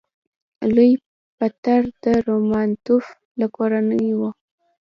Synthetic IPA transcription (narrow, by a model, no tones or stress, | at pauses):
luj | pat̪aɾd̪əɾomɑnt̪uf | lakoɾanəjwo